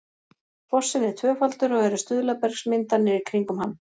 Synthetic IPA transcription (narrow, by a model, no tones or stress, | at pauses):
fɔsːɪnːɛ̥t̪ʰvœːfalt̪ʏɾɔɣɛɾʏst̪ʏðlapɛɾ̥ksmɪnt̪anːɪɾikʰɾiŋkʏmhanː